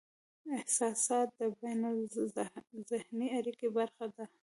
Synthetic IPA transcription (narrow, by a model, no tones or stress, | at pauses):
ɪhsɑsɑt̪̚d̪əbajna | zɪhniaɾikibaɾxad̪a